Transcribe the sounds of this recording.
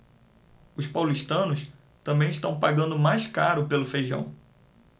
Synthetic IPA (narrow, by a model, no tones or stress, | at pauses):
ʊspawliʃt̪ɐ̃nʊs | t̪ɐ̃mbẽj̃iʃt̪ɐ̃w̃paɡɐ̃nd̪ʊmajskaɾʊpelʊfejʒɐ̰̃w̃